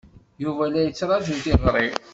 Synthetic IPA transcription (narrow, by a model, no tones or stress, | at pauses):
juvælæjət͡sːɾˤɑʒint̪iʁɾˤi